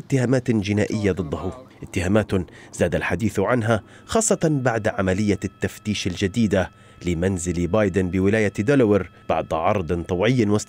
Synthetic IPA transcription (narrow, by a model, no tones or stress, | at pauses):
t̪ːɪhaːmaːt̪d͡ʒɪnaːʔɪjːad̪ˤɨd̪ˤːɑhʊʔɪt̪ːɪhaːmaːt̪ | zaːd̪alħad̪iːθʕanɦa | xɑːsˤːɑt̪ɑnbaʕd̪ʕamalɪjːat̪ːaft̪iːʃald͡ʒad̪iːd̪a | lɪmanzɪlbɑːjd̪ɪnbɪwɪlaːjad̪ʊlwɪɾb̥ɑ̰ʕd̪ˤʕɑ̰ɾˤd̪ˤɨnt̪ˤɑwʕɪjːɪnmʊst̪